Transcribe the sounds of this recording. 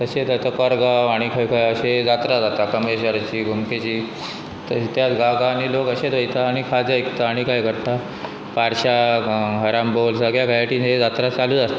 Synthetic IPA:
t̪əɕet̪ət̪əkəɾɡaʋaɽ̃ikʰəjkʰəjəɕed͡zat̪ɾad͡zat̪akəmeɕəɾat͡ɕiːɡʱumket͡ɕiː | t̪əɕit̪jat͡sɡaɡanilokəɕed̪ʋəjt̪aːɽ̃ikʰad͡zaikt̪aːɽ̃ikajkəɽʈ̪a | paɾɕaɦəɾambolsəɡjaɡʱajaʈiːned͡zat̪ɾat͡saluːd͡zast̪

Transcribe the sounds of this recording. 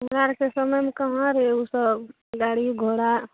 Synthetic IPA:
mɾaɾkesəməjmekəɦə̃ɾeusəb | ɡaɽiɡʱoɽa

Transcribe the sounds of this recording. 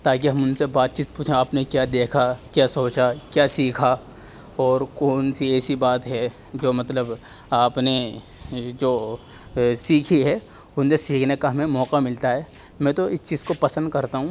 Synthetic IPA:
t̪aːkiɦɐmʊnsebaːt̪t͡ʃiːt̪̚puːt͡ʃʰẽaːpnekjaːd̪eːkʰakjaːsoːt͡ʃakjaːsiːkʰa | ɔːɾkɔːnsiɛːsibaːt̪ɦɛ | d͡ʒoːmɐt̪ləb | aːpne | d͡ʒoː | siːkʰiɦɛ | ʊnsesiːkʰnekaɦɐmẽmɔːqamɪlt̪aɦɛː | mɛ̃ːt̪oɪst͡ʃiːz̥kopɐsə̃nd̪kɐɾt̪aɦũː

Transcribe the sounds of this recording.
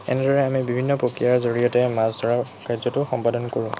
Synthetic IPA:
ɛ̰nɛdɔɹɛamibibʱinːɔpɹokɹijaɹzoɹijɔtɛmazdʱɔɹakajzɔtʊxɔmpadɔnkoɹʊ̃

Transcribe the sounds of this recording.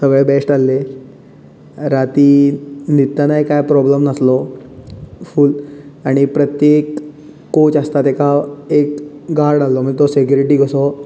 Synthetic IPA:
səɡɭebesʈalːe | ɾat̪init̪ːanakajpɾɔbləmnəslɔ | fuːlaɽ̃ipɾət̪jekː | ot͡ɕast̪at̪ekaekɡaɾɽalːɔməɳt̪ɔsekjuɾiʈ̬iːɡʱəsɔ

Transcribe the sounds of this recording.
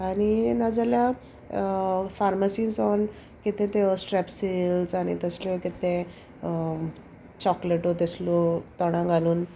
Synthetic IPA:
aɽ̃inad͡zalja | faɾmasiːnsɔn | kit̪ẽt̪eɔsʈɾɛpsilsaɽ̃ḭt̪əslɔkit̪ẽ | t͡ɕɔkleʈot̪̬eslɔt̪ɔɽ̃ãŋɡaluːn

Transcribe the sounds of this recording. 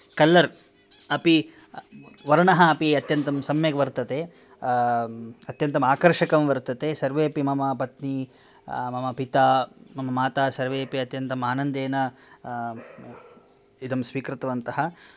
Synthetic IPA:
kɐlːɐɾ | ɐpi | ʋɐɾɐɳɐɦɐɐpiɐt̪jɐnt̪ɐmsɐmjɐɡɐʋɐɾt̪ɐt̪e | ɐt̪jɐnt̪ɐmaːkɐɾʂɐkɐmʋɐɾt̪ɐt̪esɐɾʋeːɐpimɐmɐpɐt̪ni | mɐmɐpit̪aːmɐmɐmaːt̪aːsɐɾʋeːɐpiɐt̪jɐnt̪ɐmaːnɐnd̪eːnɐ | id̪ɐmsʋiːkɾɪt̪ɐʋɐnt̪ɐɦɐ

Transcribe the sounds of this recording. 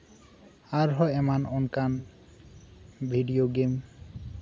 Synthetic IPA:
aɾɦɔɛmanɔnkan | bʱiɖioɡem

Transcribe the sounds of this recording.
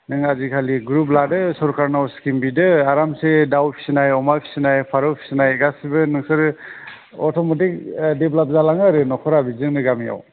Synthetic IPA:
nɯŋazikʰaliɡɾup̬ladɯsɔɾkʰaɾnawskimbidɯaɾamsedawpʰi̥sinajɔmajpʰi̥sinajpʰaɾɯwpʰi̥sinajɡasibɯnɯŋsɯɾ | ɔtʰɔmɔtik̚deblap̚zalaŋaɾɯnɔkʰɔɾabizɯŋnɯɡamija̰w

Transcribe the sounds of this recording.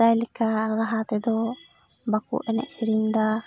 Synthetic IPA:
ajlɛkaɾaɦat̪ɛd̪ɔ | bakṵʔɛnɛ̰ʔsiɾind̪a

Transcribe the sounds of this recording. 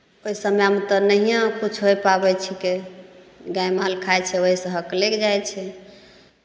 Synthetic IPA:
oisəmjamet̪ɔnəɦijãkut͡ʃʰɦojpabɛt͡ʃʰike | ɡajmalkʰajt͡ʃʰɛoɦisə̃ɦəklekd͡ʒajt͡ʃʰɛ

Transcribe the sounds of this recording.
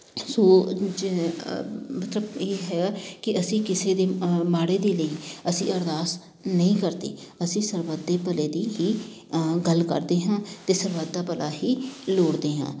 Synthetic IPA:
soːd͡ʒ | mət̪ləbeːɦɛːɡaːkɪəsĩːkɪseːd̪eːmaːɽeːd̪eːləiːəsĩːəɾd̪aːs | nəĩːkəɾd̪ḛːəsĩːsəɾʋəd̪eːpəleːd̪iːɦiː | ɡəlkə̰ɾd̪eːɦãːt̪eːsəɾʋəd̪ːaːpəlaːɦiːloːɽd̪eːɦã̰ː

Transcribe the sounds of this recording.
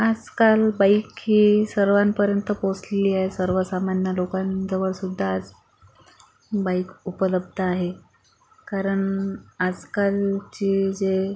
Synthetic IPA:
ad͡zkalbaikhiːsəɾʋampəɾjənt̪əposleliːaɦesəɾʋəsamanjəlokand͡zəʋəɭsud̪ʱːaːd͡z | baikupələb̚d̪ʱəaɦe | kaɾəɳad͡zkalt͡ɕiːd͡ze

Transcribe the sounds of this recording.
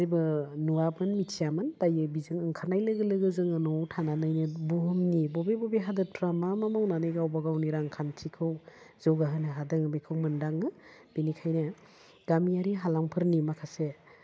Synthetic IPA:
ibɯnuwabɯnmitʰijamɯntajɯbizɯŋɯŋkʰanajlɯɡɯlɯɡɯzɯŋɯnɔwtʰananɯjnɯbuɦɯmnibɔbebɔbeɦadɯtʰɾamamamawnanɯjɡawbaɡawniɾaŋkʰantʰikʰɯw | zɯwɡaɦɯnɯɦadɯŋɯbekʰɯwmɯndaŋɯ | b̥inikʰajna | ɡ̥amijaɾiɦalaŋpʰɯɾnimakʰase

